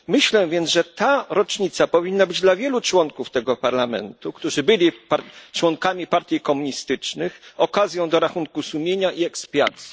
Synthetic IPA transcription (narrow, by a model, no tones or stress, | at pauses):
mɘɕlɛvʲjɛnʐɛt̪aɾɔt͡ʂɲit̪sapɔvʲinːabɘd͡ʑd̪lavʲjɛlut͡ʂwɔŋkuft̪ɛɡɔpaɾlamɛ̰nt̪ukt̪uʐɘbɘlʲipat͡ʂwɔŋkamʲipaɾt̪ʲjikɔmuɲist̪ɘt͡ʂnɘxɔkazʲjɔ̃w̃d̪ɔɾaxunkusumʲeɲaʔiɛkspʲja̰t̪sʲi